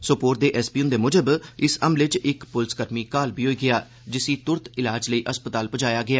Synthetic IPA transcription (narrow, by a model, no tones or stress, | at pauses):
sopoːɾʈ̪̚d̪eːʔɛːsbiːʊnd̪eːmʊd͡ʒəbɪsəmlɪt͡ʃɪkpʊlskəɾmiːkaːlbiːɦoːiːɡɪjaː | d͡ʒɪsiːt̪ʊɾt̪ɪlaːd͡ʒləiːʔəspət̪aːlpəd͡ʒaːjaːɡɪaː